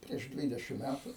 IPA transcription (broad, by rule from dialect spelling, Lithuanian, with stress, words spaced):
pʲrʲiɛʃ ˈdʲʋʲiːdʲɛʃʲɪm ˈmʲætʊ